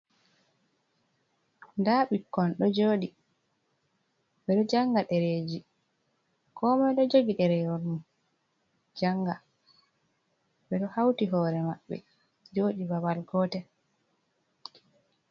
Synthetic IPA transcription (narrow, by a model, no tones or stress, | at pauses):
ndaɓikːɔnɗɔd͡ʒoːɗi | ɓɛɗɔd͡ʒaŋɡaɗɛɾeːd͡ʒi | kʰɔmɛɗɔd͡ʒoɡiɗɛɾɛjɔɾnu | d͡ʒaŋɡa | bɛɗɔhawtiɦɔːɾɛmaɓːɛ̰ | d͡ʒoːɗibabalɡɔːtɛ